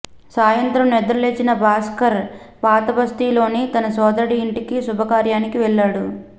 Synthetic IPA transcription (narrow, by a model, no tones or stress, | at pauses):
saːjɐnt̪ɾɐmnɛd̪ɐɾɐle̞ːt͡ʃinɐbʱaːskɐɾ | paːt̪ɐbɐst̪iːlo̞ːnit̪ɐnɐsɔːd̪ɐɾɐɽiːɳʈikisubʱɐkaːɾjaːnikiʋɛɭːaːɽu